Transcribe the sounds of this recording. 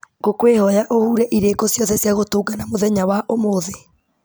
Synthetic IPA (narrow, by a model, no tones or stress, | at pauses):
ɡokweːhɔjaʔohuːɾɛʔiɾeːkɔsjɔðɛsjaɣotoːɡanamoðɛɲawaʔomoðe